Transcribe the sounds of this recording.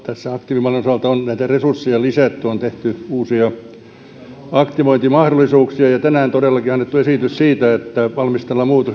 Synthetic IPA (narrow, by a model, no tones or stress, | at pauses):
t̪æsːæɑkt̪iʋimɑlenosɑlt̪ɑonnæit̪æresursːejɑlisæt̪ːyont̪eht̪yuːsiɑ | ɑkt̪iʋoint̪imɑhdolˑisuːksiɑjɑt̪ænæːnt̪odelːɑkiɑnːet̪ːuesit̪yssiːt̪æet̪ːæʋɑlmist̪elːɑmuːt̪o